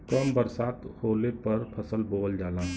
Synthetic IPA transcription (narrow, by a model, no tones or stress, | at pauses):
kəmbəɾsaːt̪hoːlepɐɾpʰəsəlboːld͡ʒaːlãː